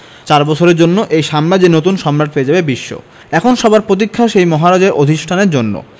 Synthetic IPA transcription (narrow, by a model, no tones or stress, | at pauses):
t͡ɕaɾbɔt͡ɕʰoɾeɾd͡ʑonːoʔejʃamnad͡ʑenot̪unʃɔmɾaʈ̚ped͡ʑabebiʃːo̰ | ɛkʰonʃɔbaɾpɾot̪̬ikʰːaʃejmɔɦaɾad͡ʑaeʔod̪ʱiʃʈʰaneɾd͡ʑonːo̰